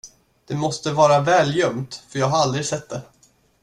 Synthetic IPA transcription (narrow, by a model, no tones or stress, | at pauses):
d̪̥ɛmɔst̪əvɑːɾavɛːljœmt̪fœɾjɑːɡɦaɾald̪ɾɪɡsɛt̪̚ːd̪ɛ